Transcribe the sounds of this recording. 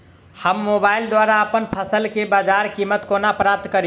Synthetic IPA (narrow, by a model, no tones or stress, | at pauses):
həmːobaild̪waɾaəpənpʰəsəlkebad͡ʒaɾkimːət̪konapɾap̚t̪kəɾ